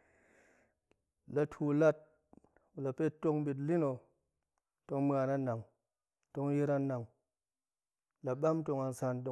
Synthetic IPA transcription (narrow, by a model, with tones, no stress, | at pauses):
la˨tʰu˨la˦t̚ | u˨la˨pe˦to˦˧ŋbi˨t̬li˦no˨ | to˧ŋm˦a˨na˦na˨ŋ | to˧ŋ˦ji˦ɾa˧na˨ŋ | la˨ɓa˦mto˧ŋa˧n˨sa˧nto˧